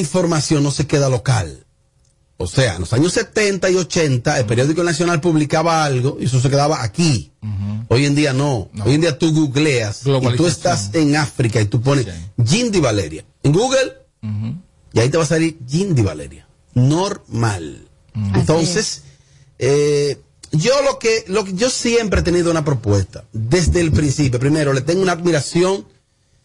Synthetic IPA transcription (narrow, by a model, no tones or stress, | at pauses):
iɱfo̞ɾmasjo̞nːo̞se̞ke̞ðalo̞ka̰l | o̰sea̰ḛnlo̞saɲo̞sːet̪e̞nt̪aio̞t͡ʃe̞nt̪aelpe̞ɾjo̞ðiko̞nas̬jo̞nalpuβlikaβaalɣo̞ies̬o̞s̬eke̞ðaβaʔːki | o̞je̞nd̪ianoojend̪iat̪uɣuɣleasiuesase̞ŋafɾikait̪up̬o̞nesʝind̪iβale̞̰ɾja̰ | eŋɡuɣel | iait̪e̞βasaliɾʝind̪iβa̰lḛɾja | noɾma̰l | ent̪o̞nses | e | ʝolokelokeʝo̞sjempɾet̪e̞niðounapɾopwest̪aðezðeːlpɾinsip̬jop̬ɾimeɾolet̪eŋɡunad̪miɾasjo̞ŋ